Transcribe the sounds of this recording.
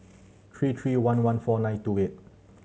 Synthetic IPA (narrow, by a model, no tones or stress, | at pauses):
t̪ʰɹiːt̪ʰɹiːwanwanfɔːnajnt̪uːʔet̚